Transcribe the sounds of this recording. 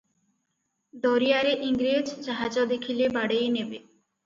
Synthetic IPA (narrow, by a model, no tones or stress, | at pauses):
d̪ɔɾijaɾeʔiŋɡɾed͡ʒd͡ʒaɦad͡ʒɔd̪ekʰilebaɽejnebe